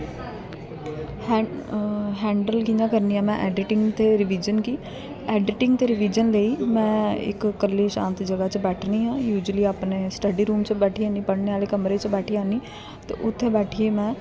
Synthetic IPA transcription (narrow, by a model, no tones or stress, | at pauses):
ɦɛ̃ːɳɖəlkĩd͡ʒãːkəɾniːãːmɛ̃ʔɛːɖɪʈɪŋɡt̪eːɾɪʋiːd͡ʒənkiː | ɛːɖɪʈɪ̃ŋɡ̚t̪eːɾɪʋiːd͡ʒənleːiːmɛ̃ːɪ̰kːəlːiːʃã̰ːnt̪d͡ʒəɡat͡ʃəbɛːʈʰniːɦãːjuːd͡ʒəliːaːpneːsʈəɖiːɾuːmt͡ʃəbɛːʈʰiːãːnipəɽneːaːleːkəmɾeːt͡ʃbɛːʈʰiaːniː | t̪ḛːʔʊt̪ʰːebɛːʈʰieːmɛ̃ː